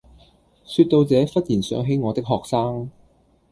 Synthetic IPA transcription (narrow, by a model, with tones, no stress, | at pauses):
syː˧t̚t̪ːo˧wt͡sɛː˨˧˥fɐ˥t̚jiː˨˩nsœ̰ː˨˥ŋɦe˨˥jŋɔː˨˧t̪ɪ˥k̚ɦɔː˨k̚saː˥ŋ